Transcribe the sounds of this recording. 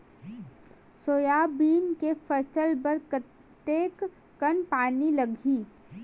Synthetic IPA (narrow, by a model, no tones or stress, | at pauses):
soːjabiːnkefɐsəlpɐɾkə | t̪eːkː | ɐnpaːnilɐɡʱiː